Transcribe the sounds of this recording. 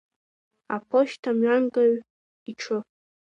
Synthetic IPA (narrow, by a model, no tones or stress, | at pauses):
a̰pʰoʃtʰamɥanɡaɥ | iʈ͡ʂʰɨ